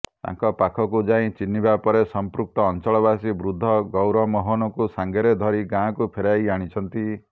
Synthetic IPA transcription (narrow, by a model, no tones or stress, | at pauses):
t̪a̰ŋkɔpakʰɔkud͡ʒaĩt͡ʃinːibapɔɾesɔmpɾuk̚t̪ɔːnt͡ʃɔɭɔβasibɾud̪ʱːɔɡɔwɾɔmɔɦɔnɔkusaŋɡeɾed̪ʱɔɾiɡãkupʰeɾajaɽ̃it͡ʃʰɔnt̪i